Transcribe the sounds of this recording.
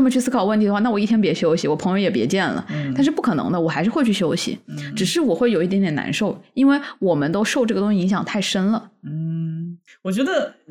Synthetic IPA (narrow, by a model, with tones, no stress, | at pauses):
n˥˩mə˨˩y˥˩sɹ̩˥kʰɑ˨˩ʊwə˥˩nt̪ʰi˩d̪xwa˥˧na˥˩wɔ˨˩i˥˩t̪ʰjɛ˥pjɛ˧˥ɕjo˥ʊɕi˧˥wɔ˨˩pʰɤ˧˥jo˧˥ʊjɛ˨˩pjɛ˧˥t͡ɕjɛ˥˩nlə̰˩t̪nʂɻ̩˥˧p̬u˥˩kʰɤ˨˩nɤ̰˧˥ŋd̪ə˧wɔ˨˩xa˧ɪʂɻ̩˥˧xe˥˧ɪt͡ɕʰy˥˩ɕjo˥ʊɕḭ˨˦ʈ͡ʂɻ̩˨˩ʂɻ̩˥˩wɔ˨˩xwe˥˩o˨˩ʊi˥˩ɛ˧˥njɛ˨˩na̰˧˥nʂo˥˩ʊi˥nwe˥˩ɪwɔ˨˩mə˦nt̪o˥ʊʂo˥˧ʊʈ͡ʂɤ˥˩ɡə˩t̪ʊ˥ŋɕi˧i˧˥ŋɕjɑ˨˩ŋt̪ʰa˥˩ɪʂə˥nlə˨˥˩ | wɔ˨˩t͡ɕɥɛ˧˥d̪ə˧